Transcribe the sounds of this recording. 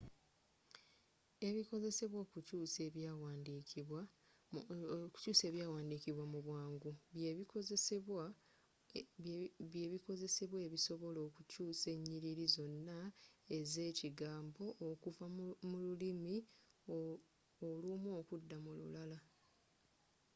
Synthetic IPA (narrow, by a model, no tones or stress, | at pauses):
e̞βikoze̞se̞βwo̞ːkucuːse̞βjawandikiwa | ku̥cuːse̞ːβjaːwaːndiːkiβwamuβwaːŋɡuβjeβikozesewa | βjeβiko̞ze̞se̞βwe̞ːβiso̞βo̞lo̞ːkucuːse̞ɲːiɾiɾizo̞nːae̞ze̞ːciɡaːmbo̞ʔːkuvamululimi | olumo̞ːkudːamulṵlala